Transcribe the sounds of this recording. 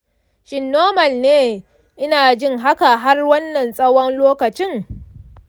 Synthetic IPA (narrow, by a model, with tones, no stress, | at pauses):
ʃɪ˨nːoː˦mɐ˨lneː˦ | ʔɪ˦naː˨d͡ʒɪ˦ŋɦa˦ka˨ɦa˦rwɐ˦nːɐ˨nsʼɐ˦wɔ˦nloː˦kɐ˨t͡ʃɪ˦ŋ